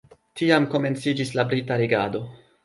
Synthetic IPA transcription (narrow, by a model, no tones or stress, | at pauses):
tiamko̞me̞nt͡sid͡ʒislabɾitaɾeɡa̰do̞